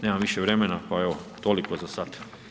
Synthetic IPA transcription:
neːmamʋiʃeʋɾemenapaeʋot̪olikozasat̪

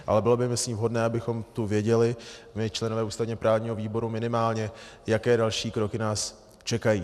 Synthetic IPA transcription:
ʔa̰lɛbɪlobɪmɪsɲiːvɦo̞dnɛːabɪxo̞mt̪uvjɛɟɛlɪmɪt͡ʃlɛnovɛːʔuːst̪avɲɛpɾaːvɲiːɦo̞viːbo̞ɾumɪnɪmaːlɲɛjakɛːdalʃiːkɾo̞kɪnaːs | t͡ʃɛkajiː

